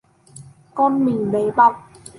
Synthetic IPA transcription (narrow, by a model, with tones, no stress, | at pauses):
kɔː˧˥˨nmi˨˩ŋba˨˦jba˧˩w